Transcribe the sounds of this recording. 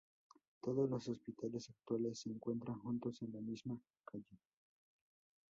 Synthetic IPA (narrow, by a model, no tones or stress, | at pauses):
t̪o̞ðozlo̞sospit̪ale̞sak̚t̪wale̞sːeːŋkwe̞nt̪ɾaŋxunt̪o̞se̞nlamizma | kaʝe